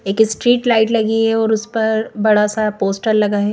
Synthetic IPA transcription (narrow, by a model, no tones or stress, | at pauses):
eːksʈɾiːʈlaːɪʈlɐɡiɦɛɔːɾʊspɐɾbɐɽasapoːsʈəɾlɐɡaɦɛ